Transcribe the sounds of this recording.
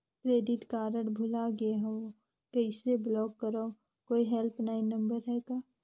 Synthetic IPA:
kɾeːɖɪʈkaːɾəɽbʱʊlaɡeɦɛ̃ʋo | kəɪseblɔːkːəɾo | koːiɦɛlpnainə̃mbəɾɦɛːɡaː

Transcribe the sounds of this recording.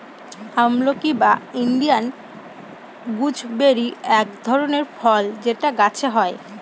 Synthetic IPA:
hamlokibainɖian | ɡud͡ʑʱbeɾiɛkd̪ʱɔɾoneɾfʰɔld͡ʑeʈaɡat͡ɕʰeɦɔe

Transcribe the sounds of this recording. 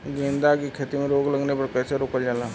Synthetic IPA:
ɡẽːnd̪akikʰeːt̪imẽɾoːɡləɡnepɐɾkəːseɾoːkəld͡ʒaːlaː

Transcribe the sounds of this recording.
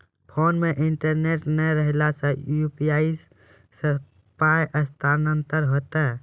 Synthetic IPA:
pʰonmeʔiɳʈəɾneʈnəɾəɦlasə̃jupijais | sə | pajʔəst̪ʰanənt̪əɾɦot̪ɛ

